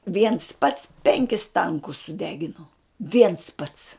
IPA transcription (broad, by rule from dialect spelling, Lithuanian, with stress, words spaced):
ʋʲiɛns pɐts ˈpʲɛŋʲkʲɪs ˈtɐŋkʊs sʊˈdʲæːɡʲɪnoː ˈʋʲiɛns ˈpɐts